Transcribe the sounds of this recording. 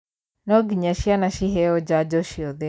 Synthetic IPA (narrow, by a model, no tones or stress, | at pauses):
nɔɡiɲaʃianaʃiɦɛɔd͡ʒad͡ʒɔʃiɔðe